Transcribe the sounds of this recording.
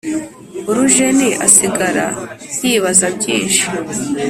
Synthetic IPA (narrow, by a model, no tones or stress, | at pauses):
uɾuʒeniʔa̰siɡaɾa̰̥iːβazabɟḭːnʃi̥